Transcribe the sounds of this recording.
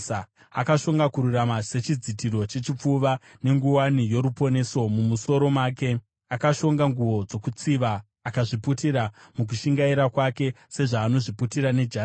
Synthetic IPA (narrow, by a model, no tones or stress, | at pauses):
a | akaʃo̞ŋɡakuɾuramase̞t͡ʃid͡zitiɾo̞t͡ʃe̞t͡ʃip͡fuʋa | ne̞ŋɡuwanijo̞ɾupo̞ne̞so̞mumuso̞ɾo̞maːke̞ | akaʃo̞ŋɡaŋɡuʋo̞d͡zo̞kut͡siʋaː | kaʐiputiɾamuk̬uʃiŋɡaiɾakwake̞ | se̞ʐaːno̞ʐiputiɾane̞d͡ʒa